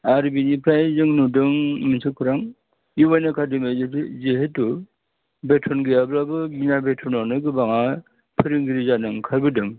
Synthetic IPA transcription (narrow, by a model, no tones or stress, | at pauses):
aɾibinipʰɾajzɯŋnudɯŋminsʰɯkʰuɾaŋ | juwajnakʰadɯmɯzeɦetːu | betʰɔnɡɯjablabɯɡinabetʰɔnanɯɡɯbaŋa | pʰɯɾiŋɡiɾizanɯŋkʰaɾbɯdɯŋ